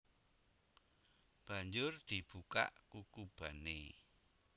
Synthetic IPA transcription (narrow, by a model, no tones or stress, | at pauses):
b̥a̤ɲd͡ʒʊrd̪̥i̤b̥uka̰ʔkukub̥a̤ne